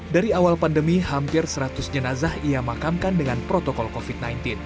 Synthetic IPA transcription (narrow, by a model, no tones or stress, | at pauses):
daɾiawalpandəmihampɪrsəɾat̪ʊsd͡ʒənazahijamakamkandəŋanpɾot̪okɔlkofit̪̚najnt̪in